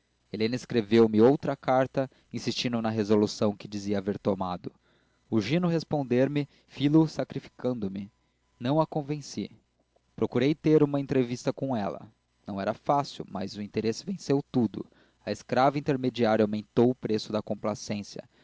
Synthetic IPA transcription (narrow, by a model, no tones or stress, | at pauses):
elẽnɐiskɾevewmɪowt̪ɾɐkaɾt̪ɐ | ĩsist͡ʃĩnd̪ʊnɐɦezolusɐ̃w̃kɪd͡ʒiziɐaːveɾt̪omad̪ʊ | uʒĩnʊhespõnd̪eɾmɪ | filʊsakɾifi̥kɐ̃nd̪ʊmɪ | nɐ̃w̃ɐkõvẽsi | pɾokuɾejt̪eɾũmɐẽnt̪ɾevist̪ɐkõɛlɐ̰ | nɐ̃w̃ɛɾɐfasḭwmɐ̰zʊĩnt̪eɾesɪvẽsewt̪ud̪ʊ̰ | ɐeskɾavɐĩnt̪eɾmed͡ʒiaɾjɐawmẽnt̪owʊpɾesʊd̪ɐkõplasẽsjɐ̰